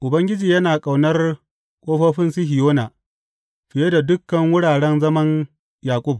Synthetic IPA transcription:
ʔʊ˨bɐ˦ŋɡʲɪ˦d͡ʒiː˨jɐ˦naː˨kʼa˨wnɐ˦r | kʷʼoː˦ɸɐː˦ɸɪ˦nsɪ˦ɦɪ˨joː˦naː˨ | ɸɪ˨je˦da˨dʊ˦kːɐ˨ŋwʊ˦ɽaː˨ɽɛ˦nzɐ˦mɐ˦n | jaː˨kʷʼʊ˦˨b̚

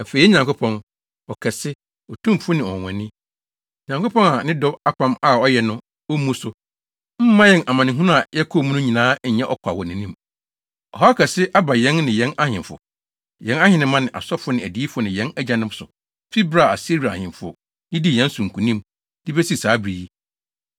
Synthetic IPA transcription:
æ˨fe˨i˦ɲã˨ŋkʰo˦pʰɔ̃˦n | ɔ˨kʰɛ˨sɪ˦ | ɔ˨tʰũ˦mfʊ˦nɪ̃˨ɔ̰̃˨ɛ̰̃˨nɪ̃˦˨ | ɲã˨ŋko˦pɔ̃˦na˨nɪ̃˦dɔ˦ba˦pʰã˦ma˨ɔ˦jɛ˨nʊ̃˦ | ɔ˦mũ˦sʊ˨ | m̩˦mã˦jɛ˦nʔa˨mã˨nɪ̃˨ɦũ˦nʊ̃˦a˨ja˦kʰo˦m̃˦nʊ̃˦ɲĩ˨nãː˦ɲ̩˦ɲɛ̃˦ʔɔ˦kʷʰa˨wɔ˨nɪ̃˨nĩ˦m | ɔ˨ɦɔ˦a˦kʰɛ˨sɪ˦ʔa˦ba˨jɛ̃˦nːɪ̃˨jɛ̃˦na˦hɪ̃˨fʊ̰˨ | jɛ̃˦na˦hɪ̃˨nɪ̃˦mã˦nɪ̃˨ʔa̰˨sɔ˦fʊ˦nɪ̃˨æ˨di˨˦i˦fʊ˦nɪ̃˨jɛ̃˦næ˦d͡ʑa˨nɪ̃˦m˦sʊ˨ | fi˦bɾa˦˨a˨si˦ɾa˨a˨hɪ̃˨mfʊ˦˨ | nɪ̃˦di˦jɛ̃˦n˦sʊ̃˨ŋ̩˨kʰũ˨nĩ˦m | dɪ˦bɛ˦si˦saː˨˦bɾi˨i˦

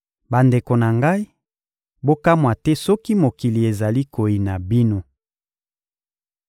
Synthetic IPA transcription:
ba˨nde˨ko˨na˨ŋɡa˦i˦ | bo˦ka˦mwa˨tɛ˦sɔ˦ki˦mo˨ki˨li˨e˨za˨li˦ko˨ji˨na˨bi˦no˦

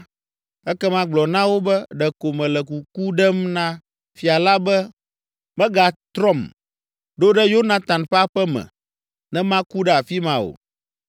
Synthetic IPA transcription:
ɛ˦kɛ˦mã˦ɡ͡blɔ˨nã˦wo˦bɛ˦ɖɛ˨ko˨mɛ̃˨lɛ˨k̬u˨ku˦ɖɛ˦mnã˦ | fi˨a˨la˦bɛ˦ | mɛ̃˦ɡa˨t̪ɾɔ˦˨m | ɖo˦ɖɛ˦jo˦nã˦t̪ã˨nɸɛ˦a˦ɸɛ˦mɛ̰̃˨ | nɛ̃˦mã˦ku˦ɖɛ˦a˨fi˦mã˦o̰˨

